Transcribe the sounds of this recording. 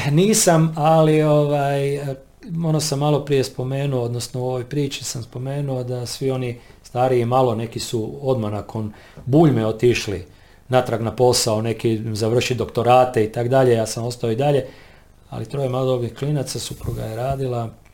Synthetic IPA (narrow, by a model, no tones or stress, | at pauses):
niːsamalio̞ʋaj | onosamːalo̞pɾije̞spo̞me̞ːnuood̪nosnouo̞ʋojpɾiːt͡ʃisamspo̞me̞ːnuo̞d̪asʋio̞nist̪aːɾiimalˠo̞ne̞kisuo̞d̪mahnakʰo̞n | buːʎmeo̞t̪iʃlḭ | nat̪ɾaɡnapo̞saone̞kizaʋr̩ʃid̪o̞kt̪o̞ɾaːt̪eit̪akd̪aʎe̞jaːsamo̞st̪aoid̪aʎe̞ | a̰lit̪ɾoːjemalod̪oɡnihklinat̪sasupɾuɡa̰je̞ɾaːd̪ilˠa